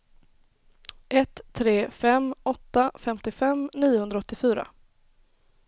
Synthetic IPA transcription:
ʔɛt̪ʰːɾeːfɛmɔt̪ːafɛmt̪ɪfɛmniːʊhɵnd̪ɾaɔt̪ːɪfyːɾa̰

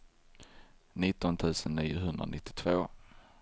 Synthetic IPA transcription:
nɪt̪ːɔnt̪ʰʉ̟ːsənːiːjʊɦɵnd̪ɾa̰nɪt̪ːɪ̥t̪ʰvoː

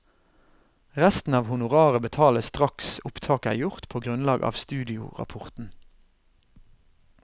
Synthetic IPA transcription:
ʁæst̪n̩ɑːʋhʊnʊʁɑːʁəbət̪ʰɑːləst̪ʁɑksʊpt̪ʰɑːkæ̰ːjʊʁt̪pʰoːɡʁʉnlɑːɡɑ̰ːʋst̪ʉːd̪ɪʊ̰ʁɑ̰pʰʊʁt̪n̩

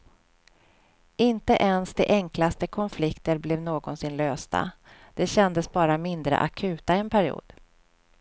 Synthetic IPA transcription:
ɪnt̪əʔɛnsd̪ɛ̰ʔɛŋklast̪əkʰɔnflɪkt̪əɾblɛvnoːɡɔnsɪnløːst̪a̰d̪̥ɛɕɛnd̪əsbɑːɾamɪnd̪ɾə̰ʔa̰kʰʉ̟ːt̪aɛnpʰæɾɪṵːd̪̥

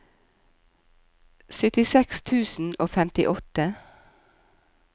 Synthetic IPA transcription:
sœt̪ɪsɛkst̪ʰʉːsn̩oːfɛmt̪ɪʔɔt̪ə

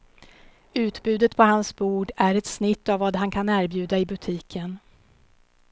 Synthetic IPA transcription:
ʉ̟ːt̪bʉ̟ːd̪ət̪pʰɔɦansbuːɖæɾɛt̪snɪt̪ːavːaːd̪ɦankʰanæːɾbjʉ̟ːd̪aɪbɵt̪ʰiːkʰən

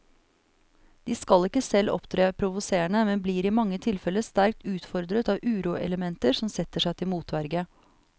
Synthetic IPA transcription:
d̪̥iːskɑlɪkːəsɛlʔɔ̰pt̪ʰɾeːpʰɾʊʋʊseːəɳəmɛnbliːɾimɑŋːət̪ʰɪlfɛləst̪æɾk̚t̪ʉːt̪fɔɾd̪ɾət̪ɑːʋʔʉːɾuːʔɛ̰ləmɛnt̪əʂɔmsɛt̪ːəʂæɪt̪ʰɪlmuːt̪ʋæɾɡə

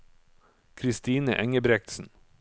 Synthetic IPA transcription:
kʰɾɪst̪iːnəʔɛŋəbɾɛk̚t̪sn̩

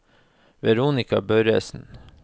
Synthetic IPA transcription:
ʋɛɾuːnɪkɑbœʏɾɛ̰ːsn̩

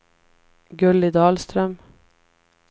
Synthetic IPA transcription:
ɡɵlːɪd̪ɑːlst̪ɾœm

